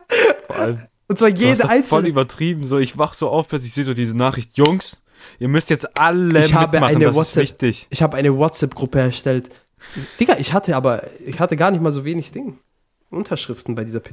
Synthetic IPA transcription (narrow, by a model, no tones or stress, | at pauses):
fɔɐʔa̰lm | ʊntt͡ssv̥aːjeːdəʔaɪnfɔlyːbɐtʁ̥iːbm̩zoːɪçv̥aχəz̥oːʔaʊfpɛɐsɪçz̥eːzoːdiːnaːχʁ̥ɪçtjʊŋs | ʔiːɐmʏstjɛt͡stʔaləçhaːbəʔmaaɪnədaswɔsɛɪçtɪçʔɪçhaːbəʔaɪnəwɔtt͡sɛpɡ̥ʁʊpəɛɐʃtɛlt | d̥ɪɡɐʔɪçhatʰəaːbɐɪçhatəɡaːɐnɪçtmaːlzoːveːnɪçd̥ɪŋə | ʔʊntʰɐʃʁ̥ɪftn̩baɪdiːzɐpʰɪ